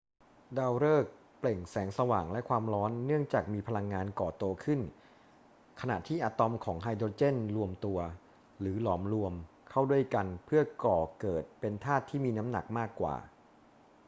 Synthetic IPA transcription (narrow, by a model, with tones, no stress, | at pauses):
daː˧wɾɤː˥˩k̚ | ple˨˩ŋsɛː˩˦ŋsa˧waː˨˩ŋlɛ˦˥ʔkʰwaː˧mɾɔː˦˥nːɯ˥˩əŋt͡ɕaː˨˩k̚miː˧pʰa˧la˧ŋːaː˧nkɔː˨˩t̪u˧ɐkʰɯ˥˩n | kʰa˧na̰˨˩t̪ʰiː˥˩ʔaː˧t̪ɔ˧mkʰɔː˩˦ŋɦaː˧jdoː˧t͡ɕe˥˩nɾu˧əmt̪u˧ɐ | lɯː˩˦lɔː˩˦mɾu˧əm | kʰa˥˩wdu˥˩əjka˧npʰɯ˥˩ɐkɔː˨˩kɤː˨˩t̪̚pe˧nt̪ʰaː˥˩t̪ʰːiː˥˩miː˧na˦˥mna̰˨˩k̚maː˥˩kːwa̰ː˨˩